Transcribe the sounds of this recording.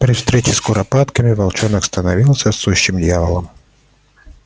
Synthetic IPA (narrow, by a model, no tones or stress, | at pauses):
pɾʲɪfst̪ɾʲet͡ɕɪskʊɾɐpat̪kəmʲɪvɐlˠt͡ʃonɐkst̪ənɐvʲilˠsʲəsːuɕːɪmd̪ʲjavəlˠəm